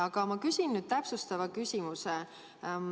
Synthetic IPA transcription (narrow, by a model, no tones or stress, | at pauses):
ɑɡ̥ɑmɑkysʲinːyd̪̥̚t̪æpsust̪ɑvɑkysʲimuse